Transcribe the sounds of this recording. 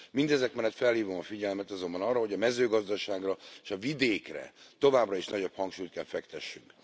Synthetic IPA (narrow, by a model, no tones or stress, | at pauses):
mind̪ɛzɛkmɛnlːɛt̪fɛlhiːvo̞mɒfiɟɛlmɛt̪ɒzo̞mbɒnɒrːɒɦo̞ɟɒmɛzøːɡɒzd̪ɒʃaːɡrɒeʃɒvid̪eːkrɛ̰t̪o̞vaːbrɒiʃnɒɟo̞phɒŋkʃuːjt̪kɛlfɛkt̪ɛʃːyŋk